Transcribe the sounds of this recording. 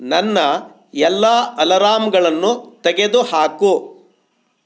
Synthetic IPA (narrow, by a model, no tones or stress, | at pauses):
nɐnːɐ | ɛlːaːʔɐlɐɾaːmɡɐɭɐnːut̪ɛɡed̪uhaːku